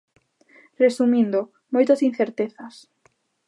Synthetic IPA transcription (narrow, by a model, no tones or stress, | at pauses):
resumĩnd̪o | mojt̪asin̟θeɾt̪eθas